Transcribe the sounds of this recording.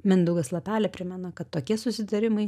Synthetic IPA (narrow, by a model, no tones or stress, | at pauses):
mʲɛnd̪ʊɡɐslˠɐpʲæːlʲɛpʲɾʲɪmʲɛnokɐt̪ːoːkʲiɛsʊsʲɪt̪ɐɾʲɪmɐɪ